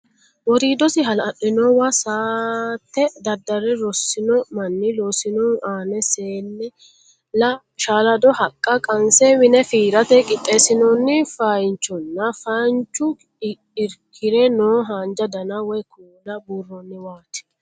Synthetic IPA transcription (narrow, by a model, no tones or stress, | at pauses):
wɔɾiːd̪ɔsɪɦɐlɐɗːɪnɔwasaːt̪ːɛd̪ɐd̪ːɐɾɛɾɔsːɪnɔmɐnːɪloːsɪnɔːʔaːnɛseːlːɛ | lɐ | ʃaːlɐd̪ɔhɐkʼːɐkʼɐnsɛwɪnɛfiːɾɐt̪ɛkʼɪt̪ʼːeːsɪnɔnːɪfɐjnt͡ʃːɔnːɐfɐnt͡ʃːʊ | ɪɾkʰːɪɾɛnoːɦaːnd͡ʒɐd̪ɐnawɔjkʰuːlɐbuːrːɔnːɪwaːt̪ɪ̥